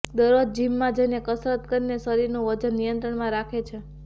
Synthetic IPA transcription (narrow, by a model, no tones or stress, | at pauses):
d̪əɾod͡ʒd͡ʒimːãd͡ʒəjnekəsɾət̪kəɾinesəɾiɾnuʋəd͡ʒənːijənt̪ɾəɳmãɾakʰet͡ʃʰe